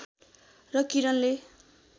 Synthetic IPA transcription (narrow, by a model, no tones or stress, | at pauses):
rʌkiɾʌnle